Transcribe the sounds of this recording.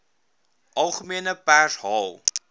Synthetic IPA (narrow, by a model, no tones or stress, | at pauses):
ʔɐlˠχəmiənəpæsɦɑːlˠ